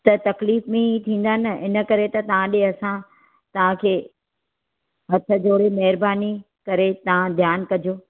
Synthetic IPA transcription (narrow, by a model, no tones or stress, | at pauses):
t̪ɐt̪ɐkliːfmẽit̪ʰĩːn̆d̪aːnɐɪnə̆kɐɾet̪ɐt̪ɐʋ̤ãɗeɐsã | t̪ɐʋ̤ãkʰeː | ɦɐt̪ʰə̆d͡ʑoːɽemɐɦɪɾbaːni | kɐɾet̪ɐʋ̤ãd̪ʱjaːnkɐd͡ʑjoː